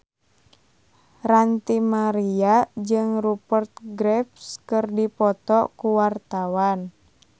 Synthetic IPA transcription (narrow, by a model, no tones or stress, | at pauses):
rant̪imaɾiad͡ʒɨŋrupərt̪̚ɡɾɛp̚skɨrdipɔt̪ɔkuwart̪awan